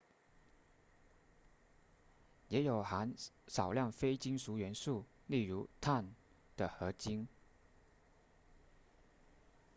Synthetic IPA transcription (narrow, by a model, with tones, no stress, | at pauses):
jɛ˧˥jo˨˩ʊxa˧˥nʂɑ˨˩ʊljɑ˥˩ŋfe˥ɪt͡ɕi˥ŋʂu˧˥ɥɛ˧˥nsu˥˩ | li˥˩ɻu˧˥t̪ʰa˥˩n | d̪̥ə˨˩xɤ˧˥t͡ɕi˥ŋ